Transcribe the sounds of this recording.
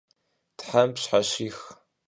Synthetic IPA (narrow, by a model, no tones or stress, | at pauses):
tħampɕħaʃiːx